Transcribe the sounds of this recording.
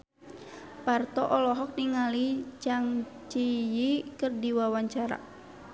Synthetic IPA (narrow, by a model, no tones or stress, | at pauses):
part̪ɔʔɔlɔɦɔk̚niŋalit͡ʃaŋt͡ʃijikɨrdiwawaɲt͡ʃaɾa̰